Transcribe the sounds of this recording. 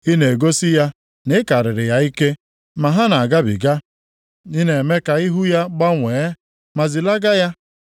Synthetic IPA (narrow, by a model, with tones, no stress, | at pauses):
i˦ne˨ɡo˦si˦ja˦ | ne˦ka˨ɾɪ˨ɾɪ˨ja˦i˦ke˦ | ma˨ɦa˦na˨ɡa˦bḭ˨ɡa˦ | ni˦ne˨me˦ka˨i˦ɦu˦ja˦ɡ͡ba˦ŋʷe˨˦ | ma˨zi˨la˦ɡa˦ja˦